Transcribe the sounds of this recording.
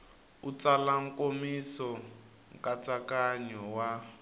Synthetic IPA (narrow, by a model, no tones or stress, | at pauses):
ut͡salaŋ̩komisɔ | ŋkʼat͡sakaɲɔwa